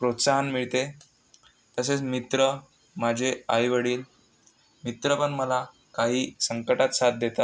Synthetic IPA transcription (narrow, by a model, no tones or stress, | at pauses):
pɾot̪saɦənmiɭt̪e | t̪əset͡smit̪ɾə | mad͡ʑʱeajʋəɽiːl | mit̪ɾəpəɳməla | kaɦiːsəŋkəʈat̪sat̪̚d̪et̪at̪